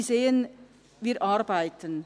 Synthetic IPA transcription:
zeːən | viːɾʔaɾbaɪtʰən

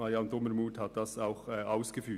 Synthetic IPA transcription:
ɑjɑnd̪ʊməɾmuːthɑt̪̚d̥ɑsaʊxɛʔaʊsɡ̥əfyː

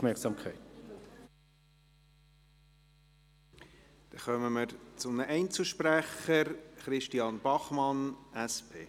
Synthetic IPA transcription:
fmɛksɑmkʰχɛɪt | d̥ɛχœməməɾt͡sʊmnəʔɛɪnt͡səʃpræχəɾχɾɪʃtiɑnb̥ɑχmɑnʔæspʰḛː

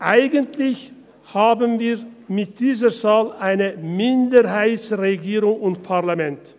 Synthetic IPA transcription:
ʔaɪɡəntlɪç | haːbənviːɐmɪt̚d̥iːzəzaːlʔaɪnəmɪndəʁɦaɪtsʁeɡiːʁʊŋʊntpʰaʁlamɛnt

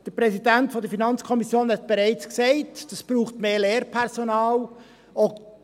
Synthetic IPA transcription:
d̥əpɾɛsidæntfɔdəɾfinɑnt͡skʰɔmisjoːnhɛtb̥eɾɛɪt͡sksɛɪtd̥ɑsb̥ɾuːχtmeːleːɾpʰɛɾzonɑːl | o

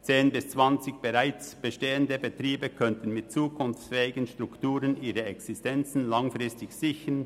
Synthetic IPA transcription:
t͡seːnbɪst͡sv̥ant͡sɪçb̥eʁaɪt͡sb̥əʃteːəndəbətʁiːbəkʰœntən̩mɪt̚t͡suːkʰʊnft͡sfɛːɪɡənʃtʁ̥ʊktuːʁənʔiːʁəɛksɪstɛnt͡sn̩laŋfʁɪstɪçsɪçən

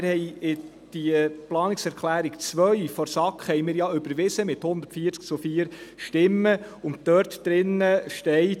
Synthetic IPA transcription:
ɾhɛjɪ | d̪̥iplɑːnɪksɛɾkʰlæːɾikt͡sʋœɥfɔɾsɑkχhɛjmɪːɾjɑʏbəɾʋɪsəmɪthʊnd̥̪əɾtfiːəɾt͡sk̚t͡sufiːəɾʃtɪmːə | ʊnt̚tœɾtd̥ɾɪnːəʃtɛɪ

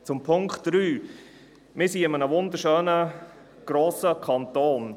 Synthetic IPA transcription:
t͡sʊmpʰʊŋkχtd̥ɾyː | mɪːɾsiɪmənəʋʊnd̪əɾʃøːnə | ɡ̥ɾoːsəkʰɑntoːn

